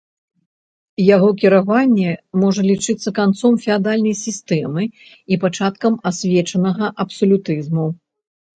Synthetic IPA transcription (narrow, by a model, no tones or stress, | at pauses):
jaɣɔkʲiɾavanʲːɛmɔʐɐlʲit͡ʂɨt̪sːɐkant̪sɔmfʲɛad̪alʲnɐjsʲist̪ɛmɨ | ipat͡ʂat̪kɐmasʲvʲɛt͡ʂɐnɐɣɐʔɐpsɔlʲut̪ɨzmu